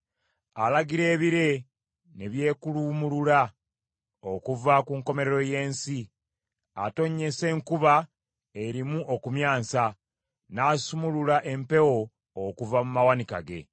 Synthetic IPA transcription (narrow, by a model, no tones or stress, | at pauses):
alaɡiɾe̞ːβiɾe̞ | neβje̞ːkulumuluɾa | okuvakuːŋko̞me̞ɾeɾo̞je̞ːnsi | a̰to̞ɲːe̞se̞ːŋkuβa | e̞ɾimuʔo̞kumjaːnsa | naːsumululaʔe̞mpe̞wo̞ː | kuvamumawanika̰ɡe̞̰